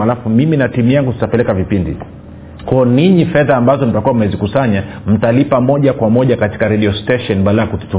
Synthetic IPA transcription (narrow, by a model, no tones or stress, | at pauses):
alafumiminatimujaŋɡuti̥tapɛlɛkavipindḭ | kɔːniɲifɛðaːmbazɔnitakuwam̩mɛzikusaɲa | m̩talipamɔʄakwamɔʄakati̥kaɾɛɗiɔstɛʃɔnɓalaakutu̥tu